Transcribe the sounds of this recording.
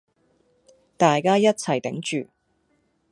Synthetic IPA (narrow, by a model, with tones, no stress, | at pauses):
t̪aː˨jkaː˥jɐ˥t̚t͡sʰɐ˨˩jt̪ɪ˨˥ŋt͡ʃyː˨˩